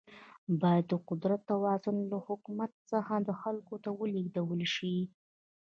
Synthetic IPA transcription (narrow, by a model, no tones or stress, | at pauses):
bɑjad̪̚ːəqʊd̪ɾat̪ːawɑzʊnlahʊkmat̪̚səxad̪əxalkot̪awəliɡd̪awəlʃi